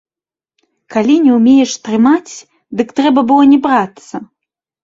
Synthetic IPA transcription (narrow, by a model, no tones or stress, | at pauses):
kalʲinʲɛwmʲejɛʂt̪ɾɨmat͡sʲ | d̪ɨkt̪ɾɛbɐbɨlˠɔnʲɛbɾat̪sːɐ